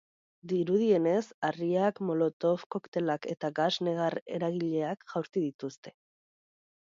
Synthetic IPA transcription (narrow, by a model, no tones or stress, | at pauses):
d̪iɾuð̞ie̞ne̞sariakmo̞lo̞t̪o̞fko̞kt̪e̞lake̞t̪aɣazne̞ɣ̞are̞̰ɾaɣiʎe̞akʝ̥awɾt̪iðit̪ust̪e̞̥